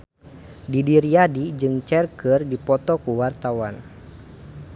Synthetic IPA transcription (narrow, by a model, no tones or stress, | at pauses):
didiɾiadid͡ʒɨŋt͡ʃɛrkɨrdipɔt̪ɔkuwart̪awan